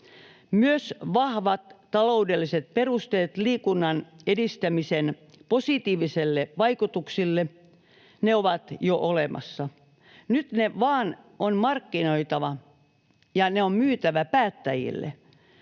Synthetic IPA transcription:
myøsʋɑhʋɑt̪t̪ɑloudelːiset̪̚perust̪eːt̪liːkunːɑnedist̪æmisen | posit̪iːʋiselːeʋɑikut̪uksilːe | neoʋɑt̪joʔolemɑ̰sːɑ | nyt̪neʋɑːn | onmɑrkːinoit̪ɑʋɑ | jɑneommyːt̪æʋæpæːt̪ːæjḭlːḛ

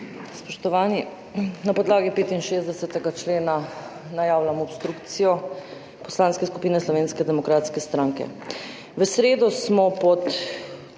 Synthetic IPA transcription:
spɔʃt̪ɔʋaːni | napɔd̪laːɡipeːt̪inʃeːzd̪ɛsɛt̪ɛɡat͡ʃleːna | najaːwlamɔpst̪ɾukt̪sijɔ | pɔslaːnskɛsku̥piːnɛslɔʋeːnskɛd̪ɛmɔkɾaːt̪skɛst̪ɾaːŋkɛ̰ | ʋəsɾeːd̪ɔsmɔpɔt̪

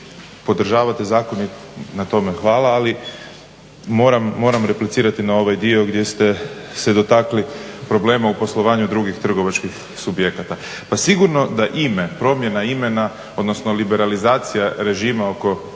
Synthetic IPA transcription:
po̞d̪r̩ʒaːʋat̪ezaːko̞ni | nat̪o̞me̞xʋaːlaali | mo̞ːɾamːo̞ːɾamɾe̞plit̪siːɾat̪inao̞ʋajd̪io̞ɡd̪je̞st̪e̞sed̪ot̪aklipɾo̞ble̞ːmaupo̞slˠo̞ʋaːɲud̪ɾuɡixt̪r̩ɡo̞ʋat͡ʃkix | subjekat̪a | pasiɡuɾno̞d̪aʔimepɾo̞mje̞naime̞na | o̞d̪no̞sno̞libe̞ɾalizaːt̪sijaɾe̞ʒiːmao̞ko̞

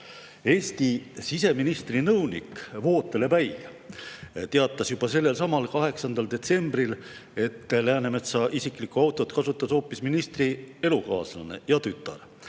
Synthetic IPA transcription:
e̞ːst̪isise̞minist̪rinɤwnḭkvo̞ːt̪ːˑe̞le̞pæj | t̪e̞ɑt̪ːˑɑsjub̥ɑse̞lːe̞lsɑmɑlkɑɦe̞ksɑnd̪ɑld̪e̞t̪se̞mb̥rile̞t̪ːlæːne̞me̞t̪sɑʔisikˑlikuɑwt̪ːˑo̞t̪kɑsut̪ːˑɑso̞ːpːˑisminist̪rie̞lukɑ̰ːslɑne̞̰jɑt̪yt̪ːˑɑ̰r

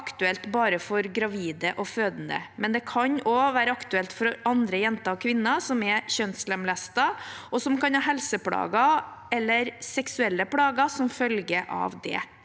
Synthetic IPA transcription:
kt̪ʉɛlt̪bɑːɾəfɔɾɡɾɑʋiːd̪əʔɔføːd̪ənə̰mɛnd̪ɛkʰɑɲɔʋæːɾəɑkt̪ʉɛlt̪fɔɾɑnd̪ɾəjɛnt̪ɑɔkʰʋɪnːɑsɔmɛçœnslɛmlæst̪ɑɔsɔmkʰɑnhɑːɦɛlsəpʰɽɑ̰ːɡɑ | ɛlːəɾsɛksʉɛlːəpɽɑːɡɑsɔmfœlɡəʔɑ̰ʋd̪ɛ̰

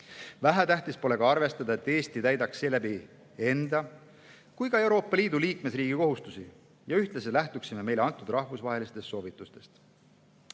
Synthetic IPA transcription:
væɦæt̪æht̪ispo̞le̞ɡɑɑrve̞st̪ɑd̪ɑe̞t̪ːˑe̞ːst̪it̪æjd̪ɑksːe̞ːlæbi | e̞nd̪̥ɑ | kujkɑe̞wɾo̞ːpːˑɑliːd̪uliːkme̞sriːɡ̥iko̞ɦust̪usi | jɑyht̪leselæht̪uksime̞me̞jleɑnt̪ːˑud̪rɑhvusvɑɦe̞list̪e̞st̪so̞ːvit̪ːˑust̪e̞̥st̪

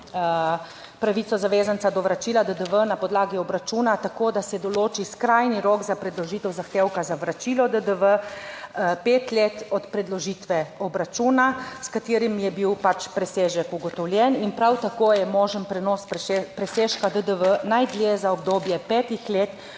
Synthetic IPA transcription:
pɾaʋitsɔzaʋeːzansad̪ɔʋɾat͡ʃiːlad̪əd̪əʋənapɔd̪laːɡiɔbɾat͡ʃuːnat̪akoːd̪asɛd̪ɔloːt͡ʃiskɾajniɾokzapɾɛd̪lɔʒiːt̪ɛwzaxt̪eːwkazaʋɾat͡ʃiːlɔd̪əd̪əʋə | peːt̪lʲeːt̪ɔt̪pɾɛd̪lɔʒiːt̪ʋɛɔbɾat͡ʃunaskat̪eːɾimjɛbiwpat͡ʃpɾɛseːʒəkuɡɔt̪ɔwlʲjɛninpɾawt̪akoːjɛmɔːʒənpɾɛnɔsppɾɛseːʃkad̪əd̪əʋənajd̪ljezaɔb̚d̪oːbjɛpɛːt̪ixleːt̪

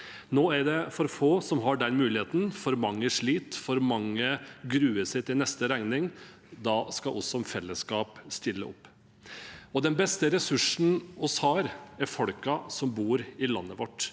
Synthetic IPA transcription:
noːæɖɛfɔɾfoːsɔmɦɑɖɛnmʉːlɪheːt̪n̩fɔɾmɑŋːəʂɭiːt̪fɔɾmɑŋːəɡɾʉːəsɪt̪ɪlnɛst̪əɾæŋnɪŋ | d̪ɑːskɑʔɔsɔfɛlːəskɑːpst̪ɪlːə̰ʔɔ̰pː | ɔd̪ɛnbɛst̪əɾɛsʉʂn̩ɔshɑːɾæɾfɔɽkɑsɔmbuːɾɪlɑnːəʋɔʈː

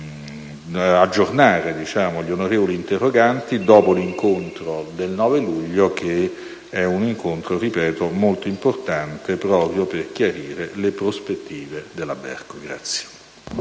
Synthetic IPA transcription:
ad͡ʒːornaːɾed̪it͡ʃaːmoʎonoɾeːvoliːnt̪erːoɡant̪id̪ɔːpoliŋkont̪ɾod̪elnɔːveluʎːok̟e | ɛuniŋkont̪ɾoripɛːt̪omolt̪oimport̪ant̪epɾɔːpɾjoperk̟jaɾiːɾelepɾospet̪ːiːved̪elːabɛ̰rkoɡɾa̰t̪sːje̥

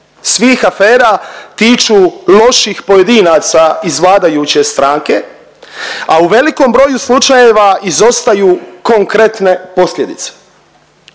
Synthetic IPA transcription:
sʋiːxafe̞ːɾat̪iːt͡ʃulo̞ʃixpo̞je̞d̪inaːt̪saizʋlˠaːd̪ajut͡ɕe̞st̪ɾaːŋke̞ | auʋe̞liko̞mbɾo̞ːjuslˠut͡ʃajeʋaizo̞st̪ajuːko̞ŋkɾe̞t̪ne̞po̞slje̞d̪it̪se̥

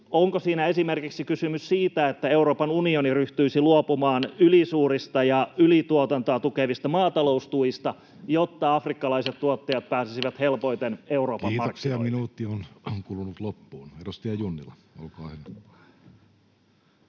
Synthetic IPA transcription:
oŋkosiːnæe̞simerkiksikysymyssiːt̪æet̪ːæe̞uɾo̞ːpɑnunioniryht̪yisiluopumɑːnylisuːrist̪ɑjɑylit̪uot̪ɑnt̪oɑt̪ukeʋist̪ɑmɑːt̪ɑlo̞ust̪uist̪ɑ | jot̪ːɑɑfrikːɑlɑiset̪t̪ːuot̪ːejɑt̪̚pæːsisiʋæt̪helpo̞jt̪eneuɾo̞ːpɑiːmɑorkksiɑminuːt̪ːionkulunut̪lopːuːnerust̪iɑjunːḭlɑo̰lkoɑ̰ːhen

